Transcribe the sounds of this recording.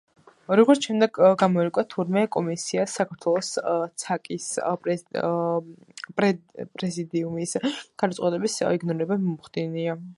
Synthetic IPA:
ɾɔɡɔɾt̪ʃɛmd̪ɛɡɡamɔɛkʼwat̪ʰuɾmɛkʼɔmisiasakʰaɾt̪ʰwɛlˠɔst̪sʰakʼis | pʼɛpʼɾɛzid̪iumisɡ̥ad̪t̪sʼɔt̪ʼɛbisiɡnɔɾiɾɛbamɔmχd̪inia

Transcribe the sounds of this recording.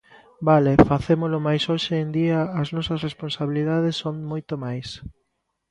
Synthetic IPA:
balefaθemolomajsoʃend̪iɐːznɔsɐsresponsaβiliðað̞esːoŋmojt̪omajs

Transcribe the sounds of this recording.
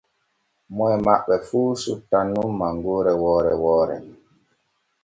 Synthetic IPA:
mɔjmaɓːɛfuːsutanːumːaŋɡoɾɛwɔːɾɛwɔːɾɛ̰

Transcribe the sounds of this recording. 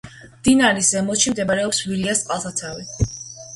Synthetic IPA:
md̪̥inaɾisɛmɔʃimd̪ɛbaɾɛɔpsviliast̪ʼqʼalˠt̪ʰat̪sʰawi

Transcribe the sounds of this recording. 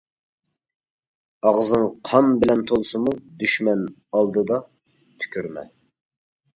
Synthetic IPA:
ɑʁzɨŋqʰɑnbɪlɛnt̪ʰolˠsɨmud̪yʃmɛn | ɑlˠd̪ɨd̪ɑ | t̪ʰy̥kʲʰyɾmɛ̰

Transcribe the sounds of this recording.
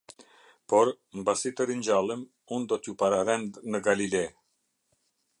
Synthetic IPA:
pɔɾ | mbasit̪əɾiɲd͡ʑalˠim | und̪ɔt̪jupaɾaɾɛnd̪nəɡalilɛ

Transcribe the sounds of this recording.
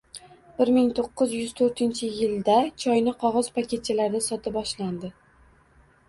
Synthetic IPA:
bɪɾmɪŋt̪ʰoqːɨzjʏz̥t̪ʰɵɾt̪ʰɪnt͡ʃʰɪjɪld̪at͡ʃʰɒjnɪqʰɒʁɒzpʰakʲʰe̞t̪̚t͡ʃʰɪlaɾd̪asɒt̪ʰɪbɒʃland̪ɪ

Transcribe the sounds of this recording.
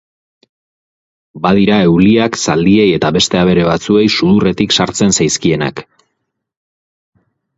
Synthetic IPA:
bað̞iɾae̞wliaksald̪ie̞je̞t̪aβe̞st̪e̞aβ̞e̞ɾe̞β̞at͡sue̞jsuðure̞t̪iksaɾt͡se̞nsajskie̞na̰k

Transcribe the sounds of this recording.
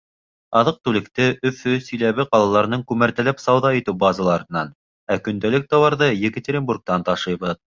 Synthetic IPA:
ɑðɤq̚t̪ʉlɘ̆k̚t̪ɘʔɵ̆fɵsɵ̆jlæβɘqɑlˠɑlˠɑɾɤ̆nɤŋkʉmæɾt̪æ̆læpsɑwðɑĭt̪ɘwbɑzɑlˠɑɾɤ̆nɑn | ækɵ̆nd̪ælɘk̚t̪ɑwɑɾðɤjɘ̆kɘ̆t̪ʲeɾʲɪnburk̚t̪ɑnt̪ɑʃɤjβɤð

